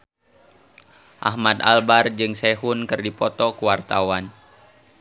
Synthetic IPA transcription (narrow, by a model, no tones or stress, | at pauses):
ʔa̰hmad̪a̰lbard͡ʒɨŋsɛɦunkɨrdipɔt̪ɔkuwart̪awan